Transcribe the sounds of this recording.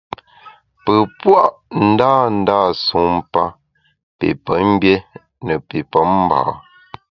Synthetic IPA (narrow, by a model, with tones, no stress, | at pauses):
pə˨pwa˦˨ʔn̩˦daː˦˨n̩˦daː˦˨su˨˦m˦pa˦ | pḛ˨pə˨˦m̩˦bjɛ˦ | nə˨pe˨pɔ˨˦m̩˦ba̰ː˨˦